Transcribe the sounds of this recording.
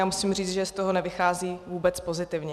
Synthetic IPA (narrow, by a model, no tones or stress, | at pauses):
aːmusimr̝iːt͡sʒɛst̪oɦonɛvɪxaːziːvuːbɛt͡spo̞zɪt̪ɪvɲɛ